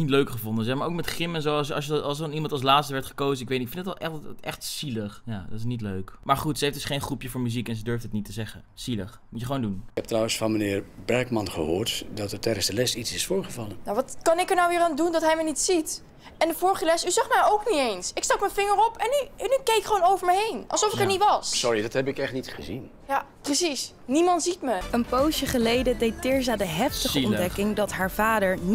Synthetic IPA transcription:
nitløɥkχəvondənzɛmaɹʔowkmɛtχɪmɛnzowɑsɑ̰səɑsɑnimɑntɑlˠs̬laːtstəʋɛɹtχə̥kowzənɪkʋejtnɪkfɪndətlˠʔɛχɛχtsiləχjaːdɑtɪsnitløɥkmaːɹχutsəɦefdʏsχejnχrupjəvʊːɹmyzikɛnzədøɹftɦətnitəzɛχənsiləχmutjəχəʋoːndunhɛp̚trawənsfɑnmənɪːɹbɛɹkmɑnχəhʊːɹtdɔtəɹtʰɛjdənsdəlɛsitsɪsfʊːɹχəvɑlənnawʋɑtkɑnɪkəɹnawʋɪːɾaːndundɔtɦɛjmənitsit | ɛndəvʊːɹχəlɛsyzɑχmɛjowknitejnsɪkstɑkmənvɪŋəɹɔpɛnynːykejɪkχəʋownowvəɹməɦejnʔɑ̰lsɔfɪkɛɹnitʋɑssɔɹidɔthɛpɪkɛχtnitχəzin | ja | prəsis | nimɑntz̥itməənpowsjəχəlejdədejttɪːɹzaːdəɦɛftəχəɔndɛkɪŋdɑtɦaːɹv̥aːdəɹn

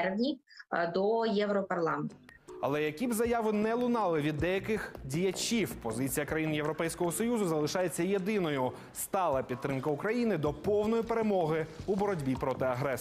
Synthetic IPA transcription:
rʋnʲid̪ɔjɛwɾɔpɐrlˠɑment̪ʊɐlˠɛjɐkʲibzɐjɑʋɪnɛlˠʊnɑlˠɪʋʲid̪ːɛjɐkɪxdʲijɐt͡ʃʲiwpɔzɪt͡sʲijɐkɾɐjinjeʋɾɔpɛjsʲkɔɦɔsɔjuzʊzɐlˠɪʃɑjet͡sʲːɐje̞d̪ɪnɔjʊ | st̪ɑlˠɐpʲit̪ːɾɪmkɐʊkɾɐjinɪd̪ɔpɔwnɔjipe̞ɾe̞mɔɦɪubɔɾɔdʲbʲipɾɔt̪ɪɐɦɾɛ

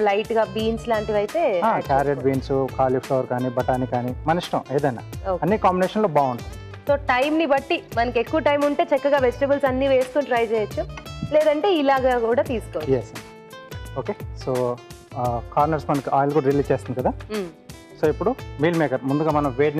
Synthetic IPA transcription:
lɐjʈɡaːbiːnslaːɳʈiʋɐjt̪e̞ːaːkaːɾijɐʈ̚biːnsukaːlipʰloːʋɐɾkaːnibɐʈaːnikaːnimɐnɐiʂʈɐ̃eːd̪ɐjna̰ːoːɐnːikaːmbineːʂɐnloːbaːuɳʈund̪isoːʈɐjmnibɐʈːimɐnɐkekːuʋɐʈɐjmuɳʈe̞ːt͡ʃɛkːɐɡaːʋed͡ʒiʈebɐlsɐnːiʋeːst̪uːnʈɾɐjt͡ʃɛːjɐt͡ʃːuleːd̪ɐɳʈe̞ːilaːɡaːkuːɽaːt̪iːsu̥koːjes | oːkeːsoː | kaːɾnɐɾsmɐnɐkiʔaːjlɐkuːɽɐɾiliːst͡ʃeːst̪and̪kɐd̪aː | soːipːuɽumiːlmeːkɐɾmund̪uɡaːmɐnɐ̃mʋeːɖn

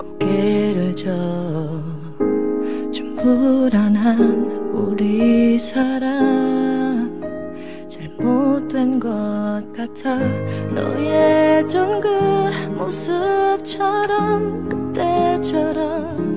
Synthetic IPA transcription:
kokeɾɯɭd͡ʑʌ | t͡ɕumpuɾanɦanuɾisʰaɾa | m | t͡ɕaɭmot̚t͈wenɡʌt̚k͈atʰanʌ̰jet͡ɕʌnɡɯmosɯp̚t͡ɕʰʌɾʌmkɯt͈et͡ɕʰʌɾʌmm

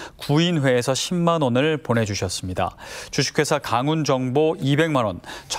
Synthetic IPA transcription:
kuinɸwe̞ːsʰʌɕʰimmanonɯɭpone̞d͡ʑuɕʰʌs͈ɯmɲida̰t͡ɕuɕʰi̥kʰe̞sʰakaŋund͡ʑʌŋboibe̞ŋmanwont͡ɕʰ

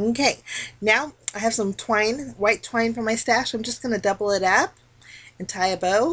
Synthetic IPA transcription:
oʊkʰeɪnaʊaɪɨv̥sʌ̃mtʰw̥ãɪ̃nwaɪtʰw̥ãɪ̃nfə˞maɪstæʃãɪ̃md͡ʒʌsɡ̥ʌnɨdʌbl̩ˠɪɾʌp̚ | ɨ̃n̩tʰaɪɨboʊ

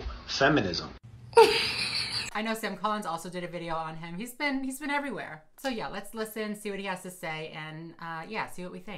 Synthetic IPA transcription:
fɛmɨnɪzə̰̃m | aɪnoʊsæ̃mkʰɑlˠə̃nzɔlˠsoʊdɨɾɨvɪɾioʊə̃nɪ̃mhizbɪ̃nhizbɨ̃ɾ̃ɛvɹiwɛ̰ɹ | soʊjælɨtslɪsɨ̃nsiwʌt̚hihæz̥tɨseɪʔɨ̃nʌjæsiwʌʔ̚wiθɪ̃ŋ̚

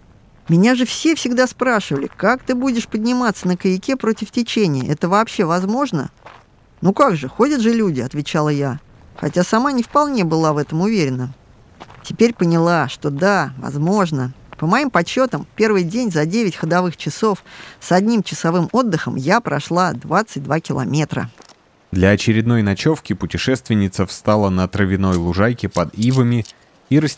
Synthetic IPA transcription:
mʲɪnʲaʐɨfsʲe̞fsʲɪɡd̪aspɾaʂɨvəlʲɪ̰kak̚t̪ɨbudʲɪʂpədʲnʲɪmat̪sːənəkəjɪkʲepɾo̞tʲɪftʲɪt͡ɕenʲɪjə̰ɛt̪əvɐːpɕːe̞vɐzmo̞ʐnə̰ | nukaɡʐɨxo̞dʲət̪ʐɨlʲudʲɪɐt̪vʲɪt͡ɕalˠəja | xɐ̰tʲasɐmanʲɪfpɐlˠnʲe̞bɨlˠavɛt̪əmʊvʲeɾʲɪnːə | tʲɪpʲeɾʲpənʲɪlˠaʂt̪o̞d̪avɐ̰zmo̞ʐnəpəmɐimpɐt͡ɕːo̞t̪əmpʲe̞rvɨjdʲenʲzɐdʲevʲɪtʲxəd̪ɐvɨxt͡ɕɪso̞fsɐdʲnʲimt͡ɕɪsɐvɨmo̞d̪ːɨxəmjapɾɐʂlˠad̪vat̪sɨt̚ʲd̪vakʲɪlˠɐ̰mʲe̞t̪ɾə̰ | d̪lʲɐːt͡ɕɪɾʲɪd̪no̞jnɐt͡ɕo̞fkʲɪpʊtʲɪʂɛst̪vʲɪnʲːɪt̪səfst̪alˠənət̪ɾəvʲɪno̞jlˠʊʐajkʲɪpɐd̪ivəmʲɪ | iɾəsʲ

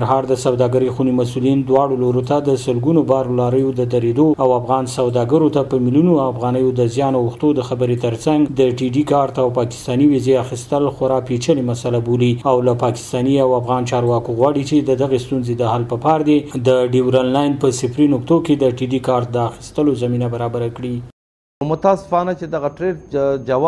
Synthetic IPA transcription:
ɾɦɑɾd̪əsawd̪ɑɡəɾəjxunimasulind̪wɑɽoloɾot̪ad̪əsəlɡunobɑɾlɑɾəjod̪əd̪aɾed̪oawafɣɑnsawd̪ɑɡəɾot̪apəmiljunoafɣɑnəjod̪əzjɑnouxt̪od̪əxabəɾet̪əɾt͡saŋɡd̪əʈiɖikɑɾt̪awpɑkɪ̥st̪ɑniwizeaxist̪əlxaɾɑpet͡ʃəlemasalaboliawlapɑkɪ̥st̪ɑniawafɣɑnt͡ʃɑɾwɑkoɣwɑɽit͡ʃed̪əd̪aɣest̪unzed̪əhalpəpɑɾd̪ed̪əɖiwɾalːɑjnpəsɪpɾinʊkt̪oked̪əʈiɖikɑɾt̪̚d̪əaxi̥st̪əlozaminabaɾɑbaɾakɽi | mʊt̪asɪ̥fɑnat͡ʃed̪aɣaʈɾeʈd͡ʒaw

